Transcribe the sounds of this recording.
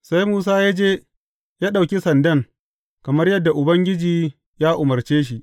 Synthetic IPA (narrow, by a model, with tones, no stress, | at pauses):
sa˦jmuː˦s̬aː˦jaː˦d͡ʒeː˦ | jaː˦ɗa˨wkʲi˦sɐ˨ndɐ˦ŋ | kɐ˨mɐ˦rjɐ˦dːa˨ʔʊ˨bɐ˦ŋɡʲɪ˦d͡ʒiː˨ | jaː˦ʔʊ˨mɐ˨rt͡ʃeː˦ʃ̬i˨ʔ